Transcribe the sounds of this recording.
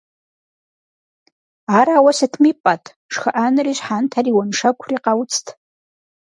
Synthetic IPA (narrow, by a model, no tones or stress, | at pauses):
aɾaːwasɨtʰmipʼatʼ | ʂxaʔanriʒħantʰariwanʂakʷʰriqawt͡sʰtʰ